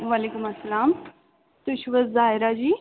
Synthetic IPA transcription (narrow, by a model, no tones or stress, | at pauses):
ʋaːleːkʊmɐsːɐlaːm | t̪ʊʃʋəzzaːɦɪɾad͡ʑiː